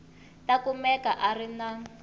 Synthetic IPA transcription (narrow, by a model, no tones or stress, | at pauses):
takumɛkaʔarina